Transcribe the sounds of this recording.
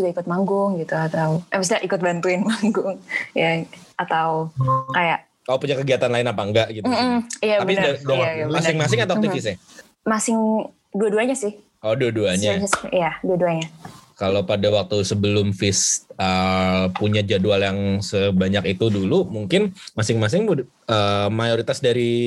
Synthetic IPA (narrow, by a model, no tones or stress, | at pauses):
suɡaikʊt̪̚maŋɡʊŋɡit̪uat̪awʔɛməsdaʔikʊt̪̚bant̪uɪnmaŋɡʊŋjaʔat̪awkajaʔ | kapuɲakəɡiat̪anlaɪnapaəŋɡaʔɡit̪m̩m̩jaabpidadaajamasɪŋmasɪŋat̪at̪ifɪsɪ | masɪŋ | duaduaɲasɪh | ʔɔduaduaɲaɲasjaduaduaɲakalopadawak̚t̪usəbəlʊmfɪsəpuɲad͡ʒadualjaŋsəbaɲakit̪udulumuŋkɪnmasɪŋmas̬ɪŋ | əmajoɾit̪asdaɾi